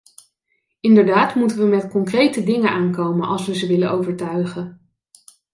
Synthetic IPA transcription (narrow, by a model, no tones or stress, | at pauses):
ɪndəɹdaːtmutənʋəmɛtkɔŋkrejtədɪŋənʔaːnkowmənʔɑ̰lˠsʋəzəʋɪləowvəɹtœɥχən